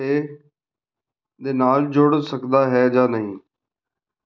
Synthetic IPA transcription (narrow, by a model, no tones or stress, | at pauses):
eː | d̪eːnaːld͡ʒoɽsəkd̪aːɦɛːd͡ʒaːnəɦĩː